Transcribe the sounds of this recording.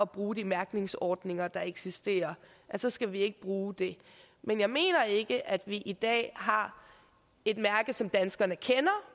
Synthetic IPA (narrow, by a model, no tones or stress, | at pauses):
ɒ̽b̥ʁuːd̥imæɐɡ̥ne̝ŋsɒːd̥ne̝ŋɐd̥ɑ̈e̝ɡ̥sisd̥e̝̰ːɐ | ʔæsɒ̽sɡ̥æʋie̝ɡ̥əb̥ʁuːd̥e̝ | menjɑ̈ɪme̝̰ːnɐe̝ɡ̥əʔæd̥ʋiʔid̥ɛ̰ːɦɑ̈ | e̝d̥mæɐɡ̥ð̩ˠsɒ̽md̥ænsɡ̥ɐnəkʰenɐ